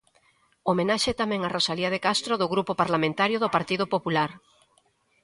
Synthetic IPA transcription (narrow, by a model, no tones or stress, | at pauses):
omenaʃɛt̪amɛ̃ŋarʔosaliað̞ekast̪ɾoðʊɣɾupopaɾlamẽnt̪aɾjʊðʊpaɾt̪iðʊpopulaɾ